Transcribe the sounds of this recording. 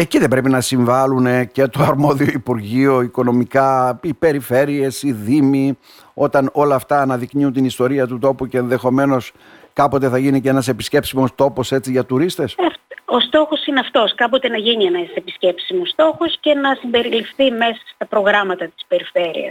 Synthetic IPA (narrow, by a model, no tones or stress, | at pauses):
eciðe̞mbɾe̞pinɐsiɱvɐlune̞ce̞t̪oɐɾmo̞ðio̞ipuɾʝio̞iko̞no̞mikɐipe̞ɾife̞ɾie̞siðimi | o̞t̪ɐno̞lɐːft̪ɐːnɐðikniunt̪inist̪o̞ɾiɐt̪ut̪o̞puce̞ːnðe̞xo̞me̞no̞s | kɐpo̞t̪e̞θɐʝinicenɐse̞pi̥sce̞psimo̞st̪o̞po̞se̞t͡siʝɐt̪uɾist̪e̞sɐfost̪o̞xo̞sineɐft̪o̞skɐpo̞t̪e̞nɐʝinienɐse̞pisce̞psimost̪o̞xosce̞nɐsimbe̞ɾilifθime̞sɐ̥st̪ɐpɾo̞ɣɾɐmɐt̪ɐt̪i̥spe̞ɾife̞ɾḭɐ̰s